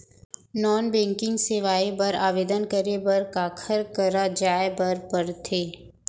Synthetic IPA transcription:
nɔːnbɛ̃ːŋkɪ̃ŋɡseːʋaːibɐɾaːʋeːd̪ənkəɾebɐɾkaːkʰəɾkəɾad͡ʒaːebɐɾpəɾt̪ʰeː

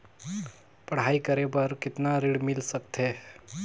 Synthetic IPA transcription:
pɐɽ̤aːikəɾepəɾkɪt̪naɾɪɽmɪlsək̚t̪ɦeː

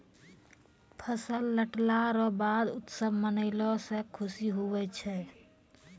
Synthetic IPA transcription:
pʰəsəlːəʈlaɾɔbad̪ut̪səbʱmənəɪlɔsẽkʰʊsiɦuwɛt͡ʃʰɛ

